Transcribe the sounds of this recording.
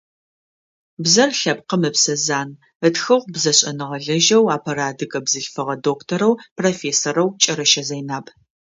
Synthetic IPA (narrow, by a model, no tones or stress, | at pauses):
bzɐrɬɐpqəmɨpsɐzaːn | ətxɨʁʷbzɐɕʼɐnɨʁɐɮɐʒɐwaːpʰɐɾaːdɨkʼɐbzɨɬfɨʁɐdoːktʰoɾɐwpʰrofeːsoɾɐwt͡ʃʼɐɾɐʃɐzɐjnaːp